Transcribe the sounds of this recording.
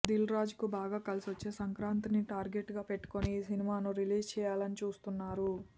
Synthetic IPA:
d̪ilɾaːd͡ʒukubaːɡaːkɐlisiʋɐt͡ʃːeːsɐŋkɾaːnt̪iniʈaːɾɡe̞ʈɡaːpe̞ʈːu̥ko̞nisinimaːnuɾiliːd͡ʒt͡ʃɛːjaːlɐnit͡ʃuːst̪unːaːɾu

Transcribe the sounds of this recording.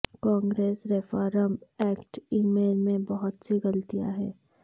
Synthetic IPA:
kãːŋɡɾeːsɾɛfaːɾəmɛːkʈiːmeːlmẽbɐɦʊt̪seɡɐlt̪ija̰ɦɛː

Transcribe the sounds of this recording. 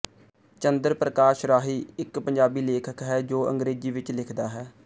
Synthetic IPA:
t͡ʃənd̪əɾpɾəkaːʃɾaːɦiːɪkpəɲd͡ʒaːbiːleːkʰəkɦɛːd͡ʒoːə̰̃ŋɡɾeːziːʋɪt͡ʃlɪkʰd̪aːɦɛː

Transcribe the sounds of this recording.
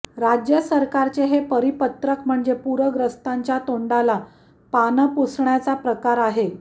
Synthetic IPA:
ɾad͡ʑjəsəɾkaɾt͡seɦepəɾipət̪ɾəkm̤əɳd͡zepuɾəɡɾəst̪aɲt͡ɕjat̪oɳɖala | panəpusɳjat͡sapɾəkaɾaɦe

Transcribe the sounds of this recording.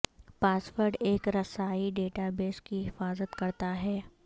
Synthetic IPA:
paːswəɾɖeːkɾɐsaːiɖeːʈabeːskiɦɪfaːzət̪kɐɾt̪aɦɛː

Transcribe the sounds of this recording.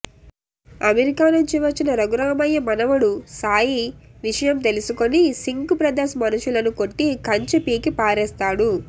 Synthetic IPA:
ɐmeɾikaːnuɲt͡ʃiʋɐt͡ʃːinɐɾɐɡuɾɐːmɐjːɐmɐnɐʋuɽusaːjiʋiʂɐjɐmt̪e̞lusuko̞nisiŋkupɾɐd̪eːʃɐmɐnuʃulɐnuko̞ʈːikɐɲt͡ʃɐpiːkipaːɾɛːst̪aːɽu

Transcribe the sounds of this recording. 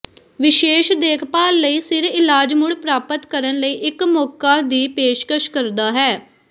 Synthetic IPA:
ʋɪʃeːʃd̪eːkʰpaːlːəiːsɪɾɪlaːd͡ʒmʊɽpɾaːpət̪kəɾənləiːʔɪkmɔːkaːd̪iːpeːʃkəʃkəɾd̪aːɦɛː

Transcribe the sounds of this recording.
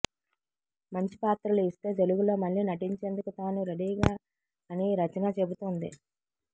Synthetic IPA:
mɐɲt͡ʃi̥paːt̪ɾɐluist̪e̞ːd̪e̞luɡulo̞ːmɐɭːiːnɐʈiɲt͡ʃe̞ːnd̪ukut̪aːnuɾɐɽiːɡaː | ɐniɾɐt͡ʃɐnɐt͡ʃe̞but̪und̪i

